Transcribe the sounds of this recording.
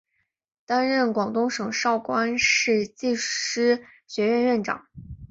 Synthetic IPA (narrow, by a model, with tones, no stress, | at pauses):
t̪a˥nɻə˥˩nkwɑ˨˩ŋt̪ʊ˥ŋʂɤ˨˩ŋʂɑ˥˩ʊkwa˥nʂɻ̩˥˧t͡ɕi˥˩ʂɻ̩˥ | ɕɥɛ˧˥ɻə˥˧nɻə˥˩nʈ͡ʂɑ̰˨˩˦ŋ